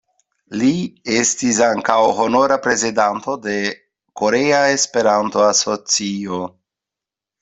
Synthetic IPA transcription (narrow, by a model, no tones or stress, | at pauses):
lie̞stis̬aŋkawho̞no̞ɾapɾe̞zidanto̞de̞ | ko̞ɾe̞ae̞spe̞ɾanto̞aso̞t͡sio